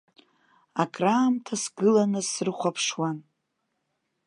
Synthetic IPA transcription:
akʼraːmtʰasɡɨlanɨsɨrχʷapʰʂwan

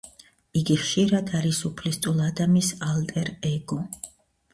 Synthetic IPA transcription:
iɡiχʃiɾad̪aɾisupʰlist̪ʼulˠad̪amisalt̪ʼɛɾɛɡɔ

